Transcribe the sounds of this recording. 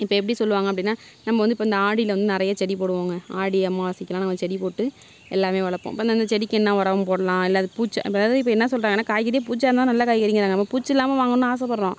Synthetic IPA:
ɪpːoːɛpːɐɽisɔlːɯʋaːŋɡɐpːɐɽɪnːaː | nɐmːɐʋɐnd̪ɯɪpːoɐnd̪ɐaːɽɪlʋɐnd̪ɯnɪɾɐjaːt͡ʃɛɽipoːɽɯʋaːŋɡɐaːɽɪɐmːaʋɐsɪkːɐlãːnɐmːɐt͡ʃɛɽipoːʈːɯ | ɛlːaːmeːʋɐɭɐpːõ̰ːɪpːɐndɐnd̪ɐt͡ʃɛɽɪkːɛnːãːʋɐɾɐʋɐmpoːɽɐlãːɛlːɐðɯpuːt͡ʃːã̰ɪ̰pːoɐðaːðɯɪp̬ːoːɛnːɐsɔlːɾaːŋɡɐnːaːkaːjkːɐɾɪjɐp̬uːt͡ʃːaːɾnãːnɐlːɐkaːjkːɐɾɪŋɡɐɾaːŋɡɐɐmːapuːt͡ʃːɛlːaːmɐʋaːŋɡɐnːɯaːsɐpɐɽɾõ

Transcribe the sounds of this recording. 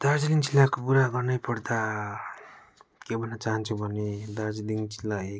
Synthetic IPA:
d̪̥aɾd͡zliŋt͡ʃilːakopuɾaɡʌrnʌjpʌɾd̪a | kebʱʌnːʌt͡saɦʌnt͡sʰubʱʌned̪aɾd͡zliŋt͡ʃilːae

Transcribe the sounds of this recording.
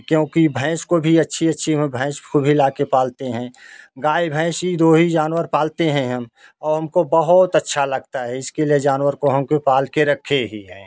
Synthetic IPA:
kjõːkibʱɛ̃ːʃkobʱiɐtːʃʰiətːʃʰĩbʱɛ̃ːʃpʰobʱilaːkepaːlt̪eɦɛ̃ɡaːibʱɛ̃ːʃjid̪oːɦid͡ʒaːnwəɾpaːlt̪eɦɛ̃ɦɐm | ɔːɾɦɐmkobəɦʊt̪ətːʃʰalɐɡt̪aɦɛɪskelied͡ʒaːnwəɾkoɦɐmkopaːlkeɾɐkʰːeɦiɦɛ̰̃ː

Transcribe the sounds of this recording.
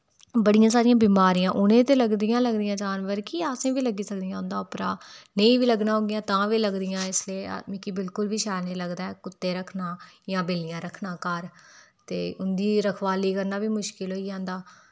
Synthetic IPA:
bəɽɪjãːsaːɾɪjãːbiːmaːɾɪjãːʔʊnẽːt̪eːləɡd̪ɪjãːləɡd̪ɪjãːd͡ʒaːnʋəɾkiaːsẽːʋiːləɡiːsəkd̪ɪjãːʊnd̪aːʊpɾaːneĩːʋiːləɡnãːɦoːɡɪjãːt̪ãːʋiːləɡd̪ɪjãːɪsleːa̰ːd̪mĩːkɪbɪlkʊlʋiːʃaːneiːləɡd̪aːɛːkʊt̪ːeːɾəkʰnãːjãːbeːlɪjãːɾəkʰnãːkəɾ | t̪ḛːʊnd̪iːɾəkʰʋaːliːkəɾnaːʋiːmʊʃkɪlɦoːiːd͡ʒãːnd̪aː

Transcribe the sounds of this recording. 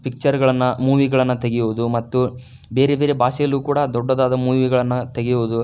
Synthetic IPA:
pik̚t͡ʃɐɾɡɐɭɐnːɐmuːʋiɡɐɭɐnːɐt̪eɡejuʋud̪umɐt̪ːu | be̞ːɾebeːɾebʱaːʃɛjɐlːuːkuːɽɐd̪ɔɖːɐd̪aːd̪ɐmuːʋiɡɐɭɐnːɐt̪eɡejuʋud̪u

